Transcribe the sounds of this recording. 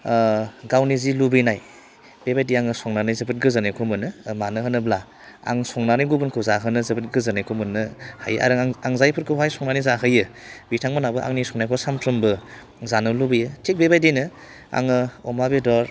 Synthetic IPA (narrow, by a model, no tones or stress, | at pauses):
ɡawnizilubɯjnaj | b̥ebajdiaŋɯsɔŋnanajzɯbɯt̚ɡɯzɯnajkʰɔmɯnɯmanɯɦɯnɯbla | a̰ŋsɔŋnaniɡubunkʰɯwzaɦɯnɯzɯbət̚ɡɯzɯnajkʰomɯnːɯhaja̰ɾɯŋaŋzajpʰɯɾkʰɯwɦajsɔŋnanizaɦɯjɯ | bitʰaŋmanabɯʔa̰ŋnisɔŋnajkʰɔsampʰɾɯmbɯ | zanɯlubɯjɯtik̚bebajdinɯ | a̰ŋɯɔmabedɔɾ